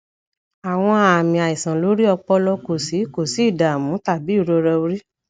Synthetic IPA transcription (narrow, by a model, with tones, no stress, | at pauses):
a˨w̃ɔ̃˧a˨mĩ˨a˨i˨sã˨lo˨˦ɾi˦ɔ˧k͡pɔ˧lɔ˧ko˨si˨˦˨ko˨si˨˦i˦˨da˨mũ˨˦ta˦˨bi˨˦˨ɾo˧ɾɛ˧o˧ɾi˦